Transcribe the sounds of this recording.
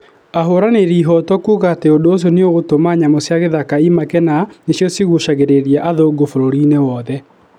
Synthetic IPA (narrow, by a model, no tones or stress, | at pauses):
aɦoɾaneɾiːɦɔtɔkuɣateodoos̬joneoɣotomaɲamosjaɣeðakaimakɛnanesjɔsiɣoʃaɣeɾeɾiaʔaðoɡofoɾoɾinewɔðɛ